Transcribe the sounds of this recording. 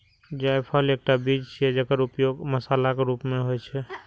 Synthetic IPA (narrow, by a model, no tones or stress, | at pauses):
d͡ʒajpʰalek̚ʈabid͡ʒt͡ʃʰɛɛd͡ʒəkəɾupjoɡməsaːlakeɾupmeɦojt͡ʃʰɛ